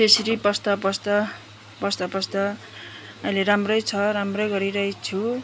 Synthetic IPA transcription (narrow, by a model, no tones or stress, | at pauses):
t̪esɾipʌst̪apʌst̪ʌ | pʌst̪apʌst̪ʌ | ʌileɾamrʌjt͡sʰʌɾamrʌjɡʌɾiɾʌɦit͡sʰu